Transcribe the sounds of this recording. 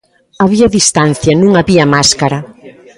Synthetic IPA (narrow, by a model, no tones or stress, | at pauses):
aβiɐðist̪anθjɐnũŋaβiɐmaskaɾɐ